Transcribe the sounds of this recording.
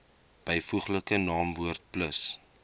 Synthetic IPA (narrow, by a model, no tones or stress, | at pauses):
b̥əjfuχləkənɑːmvuərt̚pləs